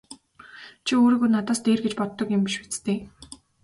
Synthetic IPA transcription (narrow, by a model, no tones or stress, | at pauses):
t͡ɕʰioːɾiːɣuːnat̪aːst̪eːrɡet͡ɕpɔt̪ːɞ̆kjʊmpiʃet͡st̪eː